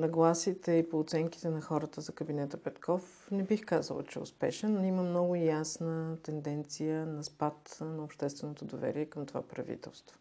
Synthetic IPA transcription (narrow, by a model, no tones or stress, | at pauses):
nɐɡlˠasit̪ɛipoːt̪sɛŋk̟i̥t̪ɛnɐxɔɾət̪əzɐkəbinɛt̪əpɛt̪kʰɔf | nɛbixkazə̰l̰ˠt͡ʃɛ̰ʊ̰spɛʃɛniməmnɔɡʊjasnət̪ɛnd̪ɛnt̪sijənɐspat̪nɐʊpʃt̪ɛst̪vɛnot̪od̪ovɛ̰ɾiɛkəmt̪ova̰pɾɐ̰vḭt̪ɛ̰lˠst̪vo